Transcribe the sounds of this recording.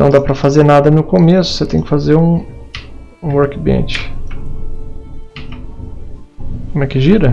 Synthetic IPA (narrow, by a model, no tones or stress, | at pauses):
nɐ̃w̃d̪apɾɐfazeɾnad̪ɐnʊkomesʊ̥set̪ẽj̃kɪ̥fazeɾũ | ũwoɾkĩbiḛ̃t͡ʃɪ̥ | komɛkɪʒiɾɐ